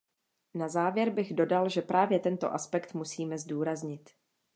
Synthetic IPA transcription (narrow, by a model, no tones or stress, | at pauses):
nazaːvjɛɾbɪɣdo̞dalʒɛpɾʔaːvjɛt̪ɛnt̪o̞̰ʔaspɛkt̪musiːmɛzduːɾazɲɪt̪